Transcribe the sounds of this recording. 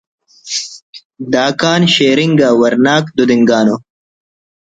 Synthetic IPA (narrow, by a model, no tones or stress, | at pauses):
d̪aːkaːnɕeːɾiŋɡaːwɐɾnaːkd̪ud̪iŋɡaːno